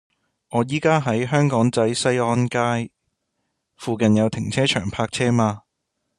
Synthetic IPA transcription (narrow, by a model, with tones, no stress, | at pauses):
ɔː˨˧jiː˥kaː˥ɦɐ˨˥jɦœː˥ŋkɔː˨˥ŋt͡sɐ˨˥jsɐ˥jɔː˥nkaː˥j | fuː˨˧kɐ˨njɐ˨˧wt̪ʰɪ˨˩ŋt͡sʰɛː˥t͡ʃʰœː˨˩ŋpʰaː˧k̚t͡sʰɛː˥maː˧